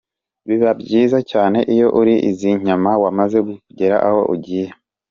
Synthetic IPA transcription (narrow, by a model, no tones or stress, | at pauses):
βiβabɟiːzacaːne̞ʔijo̞ʔuɾiʔḭziɲ̥amawamaze̞ɡuɟeɾaʔaho̞ʔuɟije